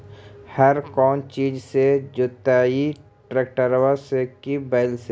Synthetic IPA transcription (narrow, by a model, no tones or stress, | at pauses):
hɐɾkɔːnt͡ʃiːd͡ʒsed͡ʒʊt̪aːi | ʈɾeːk̚ʈəɾwasekibaɪlse